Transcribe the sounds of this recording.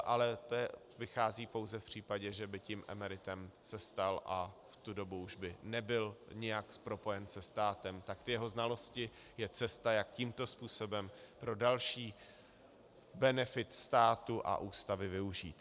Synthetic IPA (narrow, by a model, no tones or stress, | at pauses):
ʔalɛt̪oɛ | vɪxaːziːpo̞wzɛfpr̝̥iːpaɟɛʒɛbɪcimʔɛ̰mɛɾɪt̪ɛmsɛst̪alʔaft̪udo̞buuʒbɪnɛbɪlɲɛjakpɾo̞po̞jɛnsɛst̪aːt̪ɛmt̪akt̪ɪjɛɦo̞znalo̞scɪ | jɛt͡sɛst̪ajak̚cimt̪o̞spuːso̞bɛmpɾo̞dalʃiː | bɛnɛfɪt̪st̪aːt̪uʔa̰ʔuːst̪avɪvɪuʒiːt̪